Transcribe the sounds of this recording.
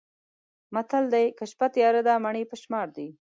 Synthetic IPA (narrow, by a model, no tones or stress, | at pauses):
mat̪ald̪ajkəʃpat̪jɑɾəd̪ɑmaɳipəʃmɑɾd̪i